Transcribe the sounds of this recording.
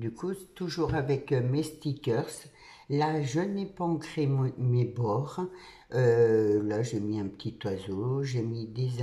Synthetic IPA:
d̪ykut̪uʒuʁavɛkmest̪ikʲœʁs | laʒənepaɑ̃kχemebɔʁ | ølaʒemiɛ̃pət̪ʰit̪wazoʒemid̪ez

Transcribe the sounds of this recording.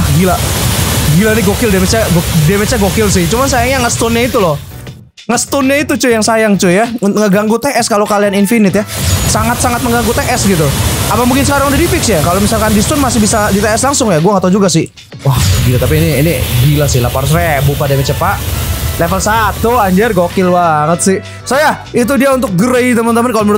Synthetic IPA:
ahɡila | ɡilanɪɡokɪldemet͡ʃaɡdemet͡ʃaɡokɪls̬ɪht͡ʃumansajaŋɲaŋəst̪ɔnɲait̪ulɔh | ŋəst̪ʊnɲait̪ut͡ʃʊjaŋsajaŋt͡ʃʊjaŋəɡaŋɡut̪eʔɛskalokalianinfinɪt̪jasaŋat̪saŋat̪̚məŋɡaŋɡʊt̪eʔɛsɡit̪uapamuŋkɪnsəkaɾaŋudadipɪk̚sjakalomisalkandist̪ʊnmasɪhbisadit̪eɛslaŋsʊŋjaɡuaŋat̪ad͡ʒuɡasɪh | wahbilat̪ap̬iːniinibilasɪhlapaɾʊs̬rebupadamɛt͡ʃəpaʔlefəlsat̪uaɲd͡ʒarɡokɪlbaŋət̪̚sɪh | sojait̪̬udiaunt̪ʊk̚ɡəɾeit̪əmənt̪əmankaloməɾ

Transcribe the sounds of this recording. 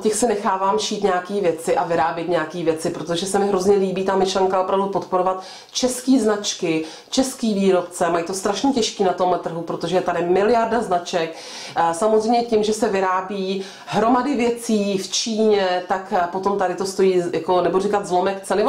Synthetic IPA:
cɛxsɪnɛxaːvaːmʃiːt̪ɲɛakiːvjɛt͡sɪʔavɪɾaːbjɛt̪ɲɛjakiːvjɛt͡sɪpɾot̪o̞ʒɛsɛmɪɦɾo̞zɲɛliːbiːt̪aːmɪʃlɛŋkaopɾavdupot̪poɾo̞vat̪ | t͡ʃɛskiːznat͡ʃkɪ | t͡ʃɛskiːviːɾo̞pt͡sɛmajiːt̪ost̪ɾaʃɲɛcɛʃkiːnat̪o̞mlɛt̪r̩ɦupɾot̪o̞ʒɛt̪adɪmɪlɪjaɾdaznat͡ʃɛk | samozrɛjmɲɛcɪmʒɛsɛvɪɾaːbiː | ɦɾo̞madɪvjɛt͡siːft͡ʃiːɲɛt̪akpot̪o̞mt̪adɪt̪o̞st̪o̞jiːjako̞nɛborikat̪zlo̞mɛkt͡sɛnɪ

